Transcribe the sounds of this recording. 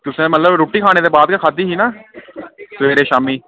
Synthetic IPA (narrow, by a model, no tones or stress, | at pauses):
t̪ʊsẽːmət̪ləbɾoːʈːiːkʰaːneːd̪eːbaːd̪kakʰaːd̪iːɦiːnaː | sʋeːɾeːʃaːmiː